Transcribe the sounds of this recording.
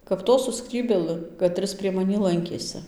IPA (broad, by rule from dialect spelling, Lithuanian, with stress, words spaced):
kɐp ˈtoː sʊ ˈskrʲiːbʲeːlˠɨ kɐˈtʲrʲɪs pʲrʲiɛ mɐˈnʲiː ˈlˠɐŋʲkʲeːsɨ